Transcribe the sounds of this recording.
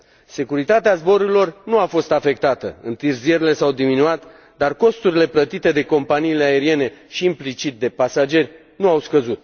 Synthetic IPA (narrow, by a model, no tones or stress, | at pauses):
se̞kuɾit̪at̪eazbo̞ɾuɾilo̞rnuafo̞st̪afe̞k̚t̪at̪əɨnt̪ɨrzieɾile̞sawd̪iminuat̪ | d̪arko̞st̪uɾile̞plət̪it̪e̞d̪e̞ko̞mpaniːle̞ae̞ɾie̞ne̞ʃiːmplit͡ʃit̪̚d̪e̞pasad͡ʒe̞rʲ | nuawskəzut̪̚